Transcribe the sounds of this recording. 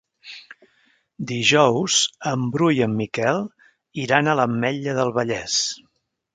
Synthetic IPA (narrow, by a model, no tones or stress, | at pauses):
d̪iʒɔwz̥əmbɾujəmːikɛlˠ | iɾanələmːɛʎəðəlˠβəʎɛs